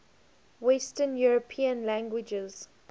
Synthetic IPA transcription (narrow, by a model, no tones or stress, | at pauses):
wɛstənjuɹəpʰĩə̃nlæ̃ŋɡwɪd͡ʒɛz̥